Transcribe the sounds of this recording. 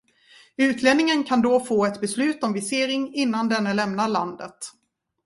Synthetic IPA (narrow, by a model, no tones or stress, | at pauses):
ʉ̟ːt̪ʰleːnɪŋənkʰand̪ɔfoːɛt̪bɛslʉ̟ːt̪ɔmvɪseːɾɪŋɪnːand̪ɛnːəlɛmnaɭand̪ət̪